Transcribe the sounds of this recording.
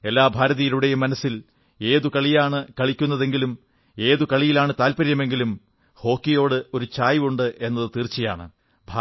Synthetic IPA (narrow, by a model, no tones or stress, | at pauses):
e̞lːaːbʱaːɾɐðijɐluɽe̞jumːɐnɐsːil | e̞ːðukɐɭijaːɳɨkɐɭikʲːunːɐðe̞ŋɡilum | e̞ːðukɐɭijilaːɳɨt̪aːlpɐɾjɐme̞ŋɡilum | ho̞ːkːijo̞ːɽɨo̞ɾut͡ɕaːjʋuɳɖɨʔe̞nːɐðɨt̪iːrt͡ɕːɐja̰ːɳɨ̰ | bʱaː